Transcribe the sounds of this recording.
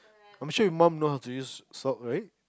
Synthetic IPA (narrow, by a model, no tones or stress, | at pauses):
ãɪ̃mʃʊːwimãmnoʊɦaʊtʰəjʉːz̥stɔʔɹaɪʔ